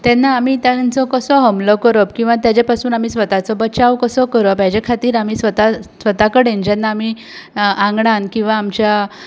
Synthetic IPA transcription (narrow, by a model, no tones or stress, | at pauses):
t̪ɛnːaːmiːt̪jãnt͡sɔkəsɔɦəmlɔkəɾɔpkĩw̃ʋat̪jat͡ɕepasuːnam̤iːsʋət̪at͡sɔbət͡ɕaʋkəsɔkəɾɔpjad͡ʑekʰat̪iːɾamiːsʋət̪asʋət̪akəɽend͡ʑanːaːmiː | ãŋɡɳankĩw̃ʋaːmt͡ɕja